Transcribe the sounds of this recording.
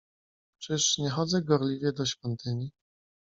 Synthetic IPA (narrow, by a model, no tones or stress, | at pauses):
t͡ʂɘʂɲɛxɔd̪zɛɡɔɾlʲivʲjɛd̪ɔɕfʲjɔnt̪ɘɲi